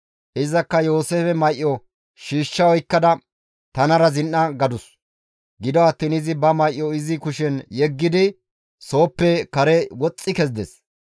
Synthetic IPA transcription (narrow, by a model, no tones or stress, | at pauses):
ʔɪzɐkːɐjo̞ːseːfɛmɐjʔːɔ | ʃiːʃːɐwɔjkːɐd̪ɐ | t̪ɐnɐɾɐzɪnːɐɡɐd̪ʊs | ɡɪd̪ɔɐt̪ːiːnɪzɪbɐmɐjʔːɔɪzɪkʊʃɛnjɛɡːɪd̪ɪ | so̞ːpːɛkɐɾɛwɔt͡sʼːɪkɛzd̪ɛs